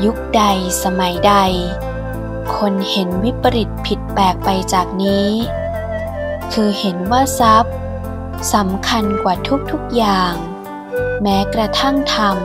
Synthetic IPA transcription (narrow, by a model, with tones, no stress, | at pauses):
ju˦˥k̚da˧jsa˧ma˩˦jda˧j | kʰo˧nhe˩˦nwi˦˥pːa˧ɾi˨˩t̪̚pʰi˨˩t̪̚pɛː˨˩k̚pa˧jt͡ɕaː˨˩k̚niː˦˥ | kʰɯː˧he˩˦nwaː˥˩sa˦˥p̚ | sa˩˦mkʰa˧nkwaː˨˩t̪ʰu˦˥k̚t̪ʰu˦˥k̚jaː˨˩ŋ | mɛː˦˥kɾa˧t̪ʰa˥˩ŋt̪ʰa˧m